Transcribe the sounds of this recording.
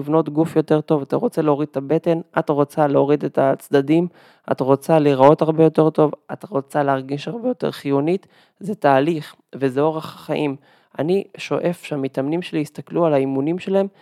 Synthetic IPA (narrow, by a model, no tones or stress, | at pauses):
ivno̞tɡufjo̞te̞ʁto̞vat̪aʁo̞t͡seleo̞ʁid̥̪et̪abe̞te̞nʔatʁo̞t͡saleo̞ʁid̪etat͡sd̪adim | a̰tʁo̞t͡saliʁao̞taʁbe̞jo̞te̞ʁto̞vat̪aʁo̞t͡saleaʁɡiʃaʁbejo̞te̞̰ʁχijonit | zetaːliχ | ve̞zeo̞ʁeχaχaʔim | aniʃo̞ʔe̞fʃeamitamnimʃeliist̪aklualaimunimʃelaem